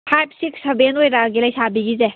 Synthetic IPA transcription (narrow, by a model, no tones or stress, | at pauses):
pʰajp̚ʰsiksebenojɾaɡilɐjsabiɡize